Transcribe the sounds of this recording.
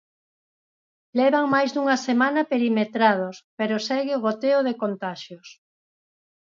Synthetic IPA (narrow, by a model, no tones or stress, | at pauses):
lɛβaŋmajzðuŋɐsemanɐpeɾimet̪ɾað̞ospeɾosɛɣɪoɣot̪eoðekont̪aʃjos